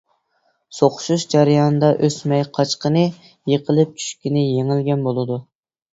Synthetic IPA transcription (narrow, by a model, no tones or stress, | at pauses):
soqʊ̥ʃuʃd͡ʒɑɾɨjɑnɨd̪ɑʔøsmɛjqʰɑt͡ʃqənɨ | jeqʰəlˠɪp̚t͡ʃʰy̥ʃkʲinɪjeŋɪlɡʲɛnbolˠɨd̪u